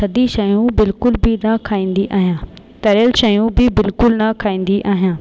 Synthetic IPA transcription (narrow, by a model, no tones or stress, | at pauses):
sɐd̪iʃɐjũbɪlkʊlbɪnɐkʰaːĩːnd̪iʔaːɦijãː | t̪ɐɾəlʃɐjũbɪbɪlkʊlnɐkʰaːĩːn̆d̪iʔaːɦijãː